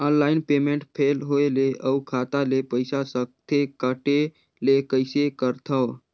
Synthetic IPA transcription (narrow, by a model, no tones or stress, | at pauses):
ənlaɪnpemẽɳʈpʰelɦoeleəukʰat̪alepəɪsasək̚t̪ʰekəʈe | lekəɪsekəɾt̪ʰə